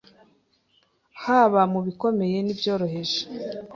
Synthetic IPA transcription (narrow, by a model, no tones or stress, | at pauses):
haːβamuβiko̞me̞je̞nivjo̞ːɾo̞ɦe̞ʒe̥